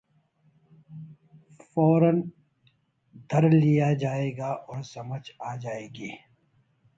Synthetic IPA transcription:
fɔːɾən | d̪ʱɐɾlijad͡ʒaːeːɡaːʔɔːɾsɐməd͡ʒaːd͡ʒaːeːɡiː

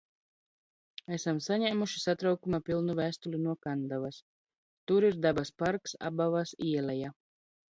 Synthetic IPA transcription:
æsamsaɲæːmuʃisat̪ɾawkumapʲilˠnuvæːst̪ulʲinuɔkand̪avas | t̪uɾiɾd̪abaspaɾksa̰bavasiɛlɛja

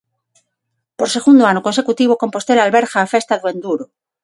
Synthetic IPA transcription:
poɾse̞ɣund̪oanoko̞nsekut̪iβ̞okõ̞mpo̞st̪elalβeɾxaːfest̪aðwend̪uɾo

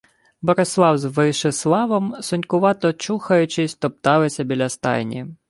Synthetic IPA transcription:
bɔɾeslˠɑwzʋɪʃɪslˠɑʋɔmsʊnʲkʊʋɑt̪ɔt͡ʃuxɐjʊt͡ʃɪsʲt̪ɔp̚t̪ɑlˠɪsʲɐbʲilʲɐst̪ɑ̰jnʲḭ

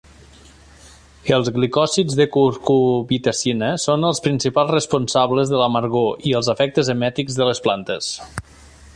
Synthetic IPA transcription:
əlˠzɣlikɔsid͡zzðəkuɾkuβit̪esinəsonəlˠspɾinsipalˠzrəspunsaβləzðələməɾɣoʔiəlˠzəfɛk̚t̪əzəmɛt̪iɡzðələsplant̪əs

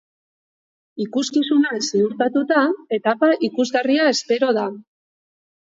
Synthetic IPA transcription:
ikuskisunasiuɾt̪at̪ut̪ae̞t̪apaʔikuzɣariae̞spe̞ɾo̞ða

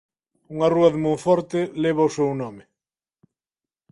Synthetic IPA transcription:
uŋaruɐðemojfɔɾt̪ɪleβ̞ausewnɔmɪ

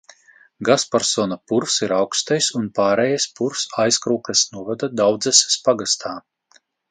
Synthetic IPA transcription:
ɡaspaɾsɔnapuɾfsiɾawkst̪ajsunpaːɾɛjaspuɾfsajskɾuːklʲˠɛsnuɔvad̪ad̪awd̪zɛsʲe̥spaɡast̪ʰaː

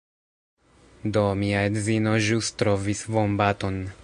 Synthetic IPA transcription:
domiaedzinoʒust̪ɾovisvombat̪on

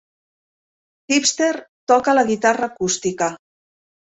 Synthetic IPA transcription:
xipst̪eɾt̪ɔkaləɣit̪arəːkust̪ikə

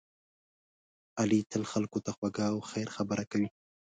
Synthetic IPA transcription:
alit̪ʰəlxalkot̪axwaɡawxajɾxabəɾakawi

